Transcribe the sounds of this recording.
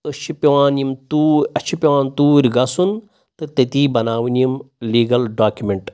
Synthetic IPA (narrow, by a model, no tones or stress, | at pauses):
t̪ɨʃʰipʲiʋaːnjimt̪uːɐʃʰipʲiʋaːnt̪uːɾʲɡɐsun | t̪ɨt̪ɐt̪iːbɐnaːʋɨnjimliːɡɐlɖaːkjumeɳʈ